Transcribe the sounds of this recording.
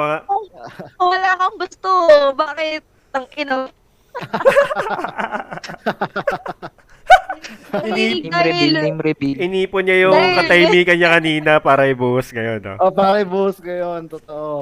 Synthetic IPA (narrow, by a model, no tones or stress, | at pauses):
ɐŋaowɐlaːkɐŋɡʊst̪obaːkɪt̪̚ | ɐŋʔɪno | ɪiːɛilɪmɾɪbiɪniːponɲɐjʊŋkɐt̪ɐjmiːkɐnɲɐkɐniːnɐpaːɾɐʔɪbuːhʊsɡɐjo̞no̰opaːɾɐɪbuːʊsɡɐjont̪ot̪oʔo